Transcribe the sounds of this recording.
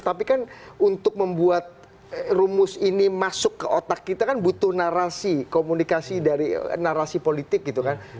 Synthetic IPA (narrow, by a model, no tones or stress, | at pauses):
t̪apikanunt̪ʊk̚məmbuat̪̚ | rumʊsinimasʊkːəʔot̪akːit̪akanbut̪ʊhnaɾasikomunikasidaɾinaɾasipolit̪ɪk̚ɡit̪ukan